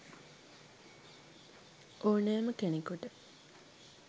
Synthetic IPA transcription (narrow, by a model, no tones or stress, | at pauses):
ʔoːnæːməkenekuʈə